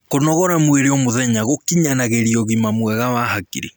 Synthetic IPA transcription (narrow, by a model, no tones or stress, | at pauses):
konɔɣɔɾamweɾeɔmoðɛɲaɣokiɲanaɣeɾiɔɣimamwɛɣawahakḭɾḛ